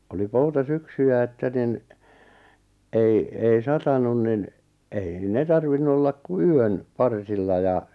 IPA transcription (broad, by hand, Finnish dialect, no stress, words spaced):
oli poutɑsyksyjæ etːæ nin ei ei sɑtɑnun nin ei ne tɑrʋinːu olːɑk ku yøn pɑrsilːɑ jɑ